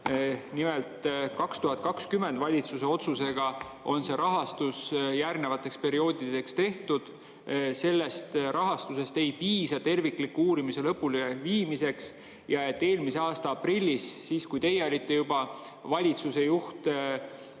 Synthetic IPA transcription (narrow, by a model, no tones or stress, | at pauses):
nime̞lt̪kɑkst̪uɦɑt̪̚kɑkskyme̞nd̪vɑlʲit̪suse̞o̞t̪suse̞ɡ̥ɑ | o̞nse̞ɾɑɦɑst̪usjærne̞vɑt̪ːˑe̞kspe̞ɾio̞ːd̪̥id̪e̞kst̪e̞ht̪ud̪̥ | se̞lːe̞st̪ɾɑɦɑst̪use̞st̪ejpiːsɑt̪e̞rvikˑlikːuuːɾimise̞lɤpːuleviːmise̞ks | jɑe̞t̪ːe̞ːlmise̞ɑːst̪ɑɑprilʲːisːiːskujt̪e̞jːeo̞lʲit̪ːe̞jubɑ | vɑlʲit̪suse̞juht̪